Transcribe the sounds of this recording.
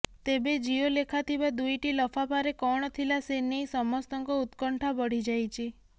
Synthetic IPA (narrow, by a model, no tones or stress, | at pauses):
t̪ebed͡ʒiolekʰat̪ʰibad̪ujʈilɔfʰapaɾekɔɽ̃ɔt̪ʰilasenijsɔmɔst̪ɔŋkɔut̪kɔɳʈʰabɔɽ̤id͡ʒajt͡ʃʰi